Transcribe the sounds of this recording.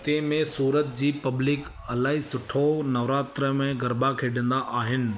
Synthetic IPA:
t̪eːmẽsuːɾət̪̚d͡ʑiːpɐblɪk | ɐlaːɦisʊʈʰonɐʋɾaːt̪ɾəmẽɡɐɾbakʰeːɖə̃nd̪aʔaːɦɪnɪ̆

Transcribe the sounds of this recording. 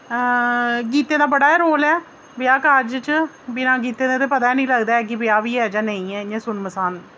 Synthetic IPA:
ɡiːt̪ẽːd̪aːbəɽaːɛɾoːlɛː | bɪaːkəɾd͡ʒt͡ʃ | bɪnãːɡiːt̪eːd̪ẽːt̪̬eːpət̪aːɛnĩːləɡd̪aːɛːk̬ɪbɪaːʋiːɛːd͡ʒaːnəĩːɛːẽːsʊnməsaːn

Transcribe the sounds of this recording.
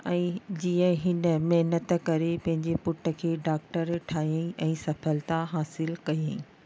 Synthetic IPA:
ɛ̃ːd͡ʑiːə̃ɦɪnə̆mɐɦnət̪kɐɾepɐ̃ɦɪ̃ɲd͡ʑepʊʈʰə̆kʰeːɖaːk̚ʈəɾʈʰaːiəĩʔɛ̃ːsɐfəlt̪aɦaːsɪlkɐiə̃ĩ

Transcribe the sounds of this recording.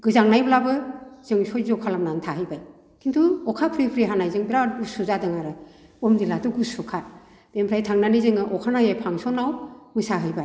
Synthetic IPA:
ɡɯzaŋnajblabɯz̥ɯŋsɔjzɔkʰalamnantʰaɦɯjbaj | kʰintʰuɔkʰapʰɾipʰɾiɦanajzɯŋbiɾaɡusuzadɯŋaɾɯɔmdilatɔɡusɔkʰa | d̥empʰɾajtʰaŋnanizɯŋɯʔɔkʰanajapʰaŋsɔnawmɯsaɦɯjbaj

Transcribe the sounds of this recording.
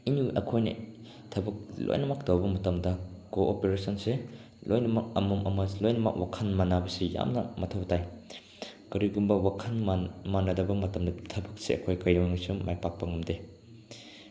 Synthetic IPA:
iniʔɐ̰kʰojnɐ̰ | tʰɐbɐk̚lo̰jnɐmɐk̚dɐwbɐmɐtɐmdɐkoʔopeɾesɐnse | lojnɐmɐk̚ɐmɐmʔɐ̰mɐlojnɐmɐ̰k̚wakʰɐnmanabɐseja̰mnɐmɐtʰɐwtaj | kɐɾiɡumbɐwakʰɐnmamanɐdɐbɐmɐtɐmdɐtʰɐbɐk̚seɐ̰kʰojkɐjoŋasumajpak̚pɐŋɐmde

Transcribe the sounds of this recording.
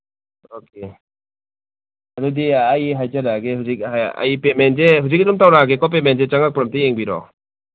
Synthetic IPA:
oke | adudiːjɦajzaɾaɡeɦuzik̚aa̰jpemenzeɦuzikadumtawɾaɡekɔp̬emenzet͡ʃaŋak̚pɾɔmtijeŋbiɾɔ̰

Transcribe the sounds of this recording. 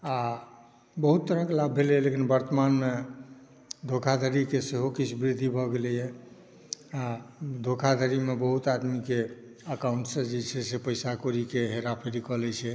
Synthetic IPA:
a | bəɦut̪ːəɾəklabʱːelɛlekinbəɾt̪əmanme | d̪ʱokʰad̪ʱəɾikeseɦokit͡ʃʰbɾid̪ʱːibʱɔɡelɛjɛ | ad̪ʱokʰad̪ʱəɾimebəɦut̪ad̪mikeəkauɳʈsə̃d͡ʒet͡ʃʰɛsepəjsakoɾikeɦeɾapʰeɾikɔlɛt͡ʃʰɛ

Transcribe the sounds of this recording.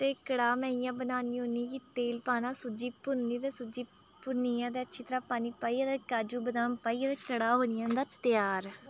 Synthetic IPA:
t̪eːkəɽaːmɛ̃ːijãːbənaːniːɦoːnĩːkiːt̪eːlpaːnãːsʊd͡ʒiːpʊɾnĩːt̪eːsʊd͡ʒiː | pʊniːjãːt̪eːətːʃʰiːt̪əɾaːpaːniːpaːiːad̪eːkaːd͡ʒuːbənaːmpaːiːat̪eːkəɽaːɦoːnɪjãːd̪aːt̪ɪjaːɾ

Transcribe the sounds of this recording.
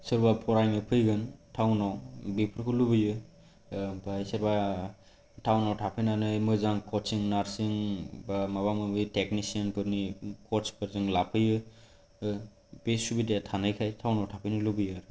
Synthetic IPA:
sɯɾbapʰɔɾajmɯpʰɯjɡɯntʰawnawbipʰɾkʰɯlubɯjɯ | bajsɯɾba | tʰawnawtʰapʰɯnanɯjmɯzaŋkʰɔt͡ʃiŋnaɾsɯŋbamaβamɯbɯjtek̚nisianpʰɯɾnikʰɔt͡ʃpʰɯɾzɯŋlapʰɯjɯ | besubidejatʰanɯjkʰajtʰawnawtʰapʰɯnɯlubɯjaɾ

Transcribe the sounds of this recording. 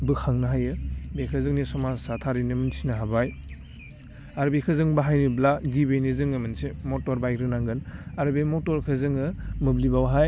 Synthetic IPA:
bɯkʰaŋnaɦajɯbekʰɯzɯŋnisɔmasatʰaɾinɯmɯnsʰinɐɦabaj | aɾbekʰɯzɯŋbaɦajnɯblaɡibejnizɯŋɯmɯnsimɔtɔɾbajɾɯnaŋɡɯnaɾbemɔtɔɾkʰɯzɯŋɯmɯblibawɦaj

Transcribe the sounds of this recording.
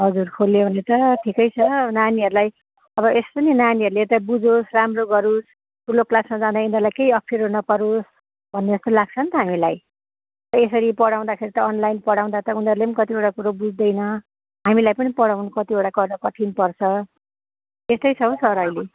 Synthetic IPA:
ɦʌd͡zurkʰoljobʱʌnet̪ʌʈʰikʌjt͡sʰʌnaniʌɾulaj | ʌbʌespʌninaniʌɾulet̪abud͡zosramroɡʌɾus | kuloklasmʌd͡zad̪aind̪ʌlajkejʌpʰːeɾonʌpʌɾos | bʱʌnːed͡zʌst̪olaɡ̚t͡sʰʌnt̪ʌɦamilaj | tʌesʌɾipʌɽaw̃d̪akʰeɾit̪ʌʌnlajnpʌɽaw̃d̪at̪ʌũnʌɾulepnkʌt̪ieɽakuɾobud͡zd̪ʌjnʌ | ɦamilajpʌnipʌɽawnukʌt̪ieɽakʌrnʌkʌʈʰinpʌrt͡sʰʌ | est̪ʌjt͡sʰʌɦõsʌɾʌjle

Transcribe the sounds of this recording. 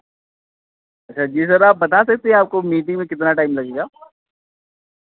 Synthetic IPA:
ɐtːʃʰad͡ʒiːs̬ɐɾaːp̚bɐt̪asɐk̚t̪eɦɛ̃aːp̚komiːʈɪ̃ŋmẽkɪt̪naʈaːɪmlɐɡeːɡaː

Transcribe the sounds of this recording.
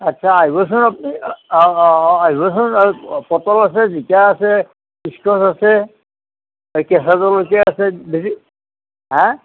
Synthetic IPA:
atːʃʰaːibɔs̬ɔnapni | aibɔs̬ɔnpɔtɔlas̬ɛzitiaasɛ | iskɔsasɛ | kɛsazɔlokɛasɛbisi | ɦɛ̃

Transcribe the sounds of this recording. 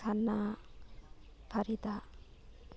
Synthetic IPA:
anːa | pʰaɾit̪a

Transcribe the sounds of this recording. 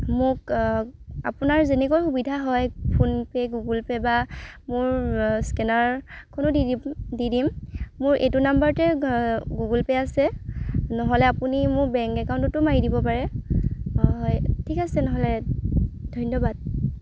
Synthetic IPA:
mʊk | a̰pʊnaɹzenɛkojxubidʱaɦɔjpʰunpɛɡuɡulpɛbamʊɹskɛnaɹkʰonʊdididimmʊɹʔḛtunambaɹtɛɡuɡulpɛasɛnɔɦɔlɛapunimʊɹbɛŋkɛkawntɔtːʊmaɹidibɔpaɹɛ | jtʰikasɛnɔɦɔlɛ | dʱɔjnɔbad̚

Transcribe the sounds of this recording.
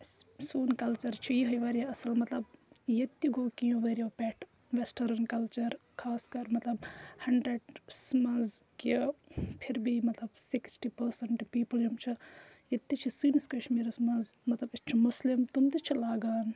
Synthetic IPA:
suːnkɐlt͡ʃɐɾt͡ʃʰijiɦɐjʋɐːɾijaɐsɐlmɐt̪lɐb | jɐt̪ːiɡoːkijũʋɐɾijoːpɛʈʰ | ʋesʈɐɾɐnkɐlt͡ʃɐɾ | kʰaːskɐɾmɐt̪lɐbhɐɳɖɾeɖsmɐzk | pʰiɾbimɐt̪lɐbsiksʈipɐɾsɐɳʈpiːpəld͡ʒumt͡ʃʰi | jɐt̪ːit͡ʃʰisiːniskɐʃmiːɾɐsmɐzmɐt̪lɐbit͡ʃʰimuslimt̪umt̪it͡ʃʰilaːɡaːn

